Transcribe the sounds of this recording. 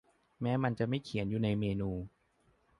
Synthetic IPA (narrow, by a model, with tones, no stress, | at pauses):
mɛː˦˥ma˧nt͡ɕa˨˩ʔma˥˩jkʰi˨˩˦njuː˨˩na˧jmeː˧nuː˧